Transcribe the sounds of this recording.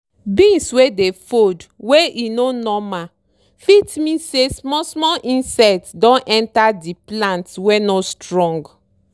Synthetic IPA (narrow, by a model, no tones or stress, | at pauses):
bĩnswedefodweʔinonɔma | fitmĩsesmɔsmɔlʔĩnsɛtdɔ̃nʔɛ̃ntadiplãntwenostɹɔ̃ŋɡ